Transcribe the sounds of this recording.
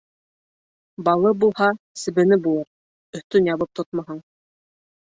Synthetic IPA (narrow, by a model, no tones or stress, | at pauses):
bɑlˠɤbulˠhɑ | sɘ̆βɘ̆nɘbulˠɤɾ | ɵ̆θt̪ɵnjɑβɤp̚t̪ʰot̪̚mɑɦɤɴ